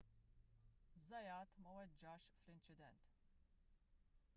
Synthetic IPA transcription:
zɐjaːt̪mɐwɛd͡ʒaʃflint͡ʃɪd̪ɛ̰nt̪

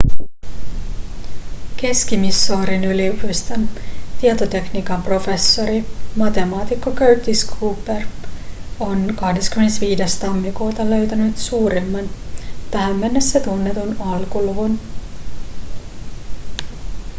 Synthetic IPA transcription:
ke̞skimisːoːɾinylipust̪ɑnt̪iet̪ot̪e̞knikɑmpro̞fe̞sːo̞ɾimɑt̪e̞mɑːt̪ikːokøɥt̪ːiskʰuːper | o̞nkɑhde̞skymenesʋiːde̞st̪ɑmːikuːt̪ɑlø̞ɥt̪ænyt̪suːɾemːɑnt̪æɦæmːenːesːet̪unːe̞t̪unɑlkuluʋun

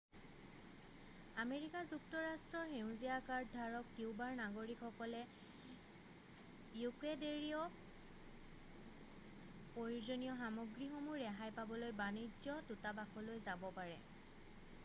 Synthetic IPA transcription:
ameɹikazuktɔɹastɹɔɹxeʊ̃zijakaɹddʱaɹɔktiwbaɹnaɡoɹikxɔkɔlɛ | jukedeɹiɔ | pojuzɔnijɔxamɔɡɹixomuɹɛɦajpabɔlojbanid͡ʒɔtutabaxʰɔlojzabɔpaɹɛ̰

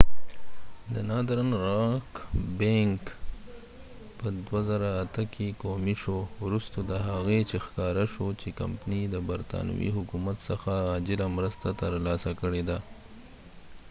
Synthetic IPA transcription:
d̪ənɑd̪ɾanɾɑkbeŋk | pəd̪wazaɾaːt̪əkekomiʃowɾust̪od̪əɦaɣet͡ʃexkɑɾaʃot͡ʃeka̰mpnid̪əbaɾt̪ɑ̰n̰wḭɦʊkumat̪səxaːd͡ʒɪlamɾəst̪at̪əɾlɑsakəɽed̪a

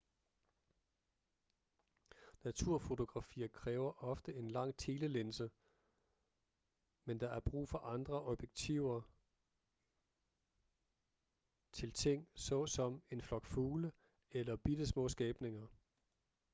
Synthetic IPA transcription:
næt͡sʰuɐ̰fo̝t͡sʰo̝ɡ̥ʁɑ̈fḭːɐkʰʁɛːʊɐʔɒ̽fd̥əe̝nlɑ̈ŋ̰t͡sʰeːləlensə | mend̥ɑ̈æɐb̥ʁṵːfɒ̽ʔɑ̈nd̥ʁɐʔɒ̽b̥jeɡ̥t͡sʰiʊ̰ɐ | t͡sʰe̝lt͡sʰe̝ŋ̰sɒ̽sɒ̽me̝nflɒ̽ɡ̥fuːlə | elɐb̥id̥əsmɔ̰̽ːsɡ̥ɛːb̥ne̝ŋɐ

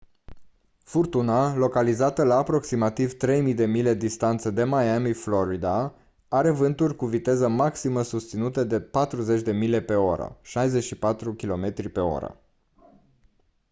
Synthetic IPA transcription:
furt̪unalo̞kalizat̪əlaːpɾo̞ksimat̪ivt̪ɾe̞jmijd̪e̞mile̞d̪ist̪ant̪səd̪e̞majamiflo̞ɾid̪a | aɾe̞vɨnt̪urʲkuvit̪e̞zəmaksiməsust̪sinut̪əd̪e̞pat̪ɾuze̞t͡ʃʲd̪e̞mile̞pe̞o̞ɾə̰ʃajze̞ʃipat̪ɾukʲilo̞me̞t̪ɾipe̞o̞̰ɾə̰

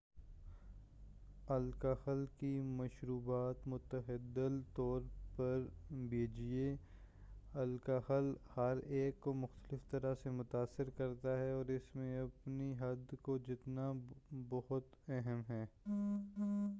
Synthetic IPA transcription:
ɐlkəxəlkimɐʃɾuːbaːt̪mʊt̪əɦɪd̪əlt̪ɔːɾpɐɾbʱeːd͡ʒie | ɐlkaxəlhɐɾeːkːomʊxt̪əlɪft̪ɐɾasemʊt̪aːsːɪɾkɐɾt̪aɦɛɔːɾɪsmẽɐpniɦɐd̪kod͡ʒɪt̪nabɔɦʊt̪ | ɛɦəmɦɛː

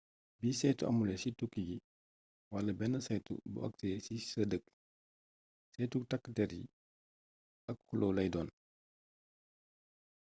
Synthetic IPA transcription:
biːsɛjtuʔɐ̰mulɛsitukːiɡi | wɐlɐbɛnːəsɐjtṵbṵwɐ̰k̚tɛsisədək | sɛtuktɐkːətɛɾjḭ | ʔɐkhulʔoːlɐjdɔːn

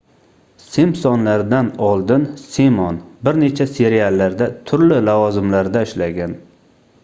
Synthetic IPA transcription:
semsɒnlaɾd̪anɒlˠd̪ɪnsemɒnbɪɾne̞t͡ʃʰase̞ɾialˠːaɾd̪at̪ʰʊɾlɪlavɒzɪmlaɾd̪aɪʃlaɡʲan

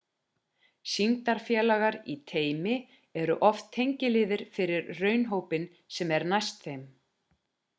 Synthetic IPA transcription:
siŋt̪aɾ̥fjɛːlaɣaɾḭt̪ʰeːjmɪ | ɛɾʏ̰ʔɔft̪ʰːejɲcɪlɪːðɪɾ̥fɪɾɪɾrœːɥnɦoːwpɪn | sɛmɛɾnajst̪θejm

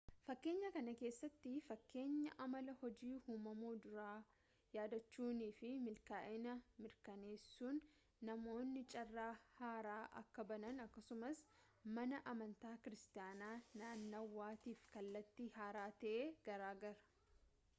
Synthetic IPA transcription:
fɐkːe̞ːɲːɐkɐnɐke̞ːsːɐt̪ːɪfɐkːe̞ːɲːɐʔɐmɐlɐhɔd͡ʒiːhuːmɐmuːd̪ʊɾaː | jaːd̪ɐt͡ʃːuːniːfɪmɪlkaːʔɪnɐmɪɾkɐne̞ːsːuːnː | ɐmo̞ːnːɪt͡ʃʼɐrːaːhaːɾaːʔɐ̰kːɐbɐnɐnɐkːɐsʊmɐs | mɐnɐʔɐmɐnt̪aːkɪɾɪst̪ɪjaːnaːnaːnːɐwːaːt̪iːfkɐlːɐt̪ːihaːɾaːt̪ɐʔeːɡ̥ɐɾaːɡɐɾɐ̥

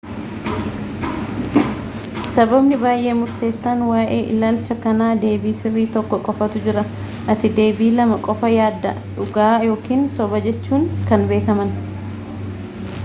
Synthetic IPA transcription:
sɐbɐbnɪbaːjʔe̞ːmʊɾt̪e̞ːsːaːnwaːʔe̞ːʔɪlaːlt͡ʃɐkɐnaːd̪e̞ːbiːsɪrːiːt̪ɔkːɔkʼɔfɐt̪ʊd͡ʒɪɾɐ | ʔɐt̪ɪd̪e̞ːbiːlɐmɐkʼɔfɐjaːd̪ːɐ̰ | ᶑʊɡaːjo̞ːkiːnsɔbɐd͡ʒɛt͡ʃːuːŋkɐnbe̞ːkɐmɐn

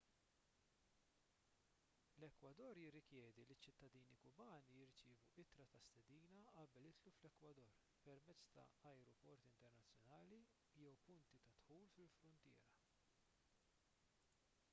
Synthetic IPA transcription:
lɛkwɐd̪ɔːɾjɪrːɪkjɛːd̪ilit͡ʃːɪt̪ːɐd̪iːnikʊbɐːnijɪɾt͡ʃɪːvuʔɪt̪ɾɐt̪ɐst̪ɛd̪iːnɐʔɐbɛlɪt̪luflɛkwɐd̪ɔɾ | pɛɾmɛt͡sːt̪ɐ̰ɐjɾɔpɔɾt̪ɪnt̪ɛɾnɐt͡sːjɔnɐːli | jɛwpʊnt̪it̪ɐt̪ħuːlfɪlfɾʊnt̪ɪ̰ːɾɐ

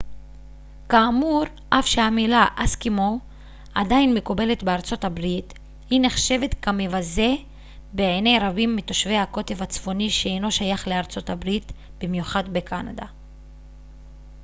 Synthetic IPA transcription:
kaːmuʁ | ʔafʃehamilaʔaskimo | adainmekube̞le̞tbe̞aʁt͡so̞tabʁit | hine̞χʃe̞ve̞t̪kamivaze̞ | beene̞jɾabimːito̞ʃve̞jhako̞te̞vat͡sfo̞niʃeejno̞ʃajaχle̞aʁt͡so̞tabʁit̪ | b̥imjuχadbe̞kʰana̰da

